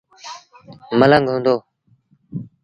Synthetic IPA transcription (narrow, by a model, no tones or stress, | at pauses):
mələŋɡɦʊ̃ːnd̪oː